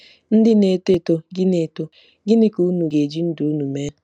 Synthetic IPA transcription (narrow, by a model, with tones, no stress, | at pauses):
n̩˦dɪ˦ne˨te˦to˦ɡɪ˦ne˨to˦ | ɡɪ˦nɪ˦ku˨˦nu˨ɡe˨d͡ʒi˦n̩˦du˨u˦nu˨me˦˨